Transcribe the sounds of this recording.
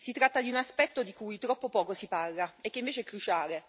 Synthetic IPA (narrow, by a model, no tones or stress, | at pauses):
sit̪ɾat̪ːad̪iunaspɛt̪ːod̪ikujt̪ɾɔpːopɔːkosiparlaek̟ːeiɱveːt͡ʃeɛkːɾut͡ʃaːle